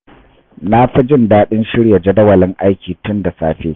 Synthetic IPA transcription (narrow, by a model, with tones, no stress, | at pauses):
na˦ɸɪ˦d͡ʒɪ˦ndaː˦ɗɪ˦nʃɪ˦ɽja˨d͡ʒɐ˦dɐ˦wɐ˨lɪ˦ŋʔa˦jkʲiː˨tʊ˦nda˨saː˦ɸḛː˦